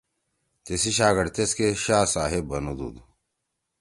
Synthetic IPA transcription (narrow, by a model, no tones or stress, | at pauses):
t̪esiɕaːɡɐɽt̪eskeɕaːsaːɦebɐnud̪ṵd̪u